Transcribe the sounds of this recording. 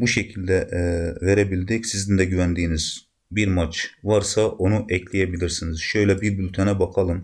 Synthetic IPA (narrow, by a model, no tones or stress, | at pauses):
buʃecʰilʲd̪ɛveɾebilʲd̪ɛcsizind̪ɛɟyvænd̪iːniz | biɾmat͡ʃvaɾsaʔo̞nuʔɛcʰlʲijebilʲiɾsiniz̥ʃø̞jlʲɛbiɾbylʲt̪ʰɛnɛbakʰalˠɯm